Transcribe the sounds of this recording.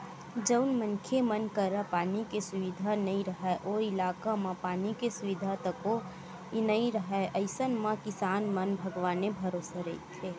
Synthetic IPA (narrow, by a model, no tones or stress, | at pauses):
d͡ʒəʊnmənkʰemənkəɾapaːnikesʊʋid̪ʱanəĩɾəɦɛʔoɪlaːkamãpaːnikesʊʋid̪ʱat̪əko | nəĩɾəɦɛʔəɪsənmãkɪsaːnmənbʱəɡʋaːnebʱəɾoːsaɾəit̪ʰːeː